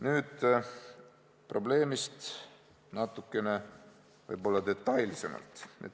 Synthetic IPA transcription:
nyːd̪̥ | pro̞ble̞ːmist̪ | nɑt̪ːˑukːˑe̞ne̞ | vɤ̰jbo̞lːɑd̪e̞t̪ˑːɑjlise̞mɑ̰lt̪ˑḛt̪

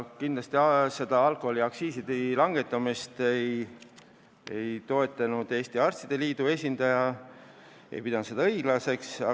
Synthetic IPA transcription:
kind̪lɑst̪iɑse̞d̪ɑɑlkoholiɑksiːsid̪ilɑŋɡe̞t̪ːˑɑmist̪ej | e̞jt̪o̞e̞t̪ːˑɑnud̪̥e̞ːst̪iɑrst̪id̪̥e̞liːd̪̥ue̞sʲind̪ɑjɑ | e̞̰jpid̪ɑnut̪se̥ɑɤiɡ̥lɑse̞ksɑ̰

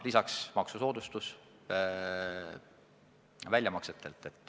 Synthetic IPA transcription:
lisɑksmɑksuso̞ːd̪̥ust̪us | vælʲjɑmɑkset̪ːˑe̞lt̪ˑːe̞t̪ːˑ

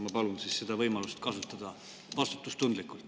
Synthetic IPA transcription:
mɑpɑlunsisse̞d̪̥ɑvɤjmɑlust̪kɑsut̪ːˑɑd̪̥ɑ | vɑst̪u̥t̪ːˑust̪und̪likˑult̪

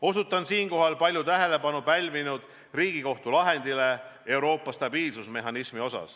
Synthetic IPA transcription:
o̞sut̪ːˑɑnsiːŋko̞ɦɑlpɑlʲjut̪æɦe̞le̞bɑnupælʲvinud̪̥ | riːɡ̥iko̞ht̪ulɑɦend̪̥ile̞e̞wɾo̞ːpˑːɑst̪ɑb̥iːlsusme̞ɦɑnismio̞sɑ̰s

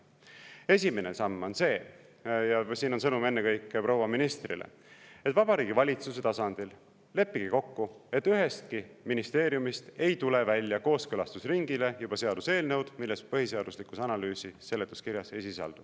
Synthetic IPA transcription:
e̞sʲimenesɑmːo̞nse̞ː | jɑsiːnonsɤnume̞nːekɤjkːˑepɾo̞wɑminist̪rḭlḛ | et̪ːˑvɑbɑɾiːɡivɑlʲit̪suse̞t̪ɑsɑnd̪̥il | le̞pːiɡ̥iko̞kːue̞t̪ːˑyɦe̞st̪̚kiminist̪e̞ːɾijumist̪e̞jt̪ule̞vælʲjɑko̞ːskɤlɑst̪usriŋɡile̞jub̥ɑse̞ɑd̪̥use̞ːlnewd̪̥milːe̞spɤɦise̞ɑd̪̥uslikˑusɑnɑlyːsise̞lːet̪ːˑuskiɾjɑse̞jsisɑ̰ld̪̥u̥

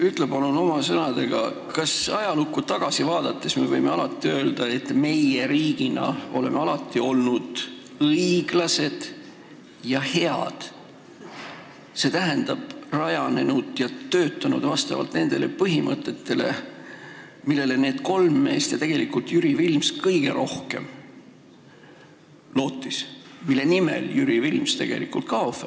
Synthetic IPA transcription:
yt̪ˑlepɑluno̞mɑsɤnɑd̪̥e̞ɡ̥ɑ̰ | kɑsɑjɑlukːˑut̪ɑɡ̥ɑsivɑːd̪̥ɑt̪ːe̞sme̞vɤjmeɑlɑt̪ːˑiø̞ːld̪ɑe̞t̪me̞jeɾiːɡ̥inɑ̰o̞̰le̞meɑlɑt̪ˑːio̞lnud̪̥ | ɤiɡ̥lɑse̞d̪̥ | jɑhe̞ɑd̪̥ | se̞t̪æɦend̪̥ɑb̥rɑjɑne̞nud̪̥jɑt̪øːt̪ːˑɑnṵd̪̥vɑst̪ɑ̰vɑ̰lt̪ne̞nd̪̥e̞le̞pɤɦimʔət̪ˑːe̞t̪ːe̞le̞̰ | milːe̞le̞ne̞ːd̪̥ko̞lmːe̞̰ːst̪jɑt̪e̞ɡ̥e̞likult̪jyɾivilmskɤjɡ̥e̞̰ɾo̞hke̞̰m | lo̞ːt̪ːˑismilːe̞nimḛljyɾivilmst̪e̞ɡ̥e̞̰likːˑult̪̚kɑofe

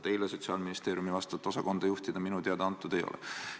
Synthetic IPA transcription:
t̪e̞jleso̞t̪ʲsiɑːlminist̪e̞ːɾʲjumivɑst̪ɑt̪ːˑo̞sɑko̞nd̪̥ɑjuht̪id̪̥ɑminut̪e̞ɑd̪ɑɑnt̪ːˑud̪e̞jo̞̰lɛ̰

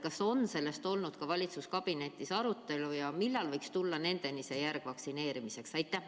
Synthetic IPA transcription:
kɑso̞nse̞lːe̞st̪o̞lnud̪̥kɑvɑlʲit̪suskɑb̥ine̞t̪ʲːˑisɑɾut̪ːˑe̞lujɑmilːɑlvɤjkst̪ulːɑne̞nd̪̥e̞nise̞jærɡ̥vɑksine̞ːɾimise̞ksɑjt̪ˑːæ

